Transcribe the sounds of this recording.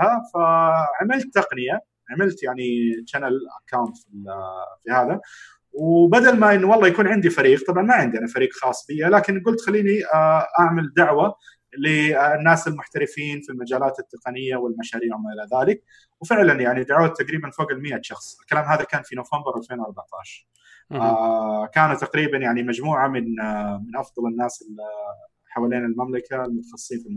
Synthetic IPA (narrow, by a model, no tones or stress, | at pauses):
hafaʕamɪlt̪ːɑqnɪja | ʕamɪlt̪jaʕnit͡ʃanalʔa̰kːawnt̪fifihaːða | wbad̪almaʔɪnːwɑlˤːɑːjakuːnʕɪnd̪ifaɾiːq̚t̪ˤɑbʕɑnmaʕɪnd̪jaʕnifaɾiːqxɑːsˤːfɪjːalaːkɪnɡʊlt̪xalːiːniʔaʕmald̪aʕwa | linːaːsɪlmʊħt̪aɾɪfiːnfilmad͡ʒaːlaːt̪ɪt̪ːɪqɑnɪjːawɪlmaʃaːɾiːʕwmaʔɪlaðaːlɪk̚ | wfɪʕlanjaʕnid̪aʕwat̪ːaɡɾiːbanfoːɡɪlmɪʔat̪ʃɑxsˤɪlkalaːmɦaːðakaːnfinoːfambɪɾʔalfeːnwɑɾˤbaʕt̪ɑ̰ːʃɑɾˤ | kaːnat̪ːaqɾiːbanjaʕnimad͡ʒmuːʕamɪnmɪnʔɑfðˤɑlɪnːaːsɪl | ħawaːleːnɪlmamlakaɪlmʊt̪ɑ̥xɑsˤːsiːnfilm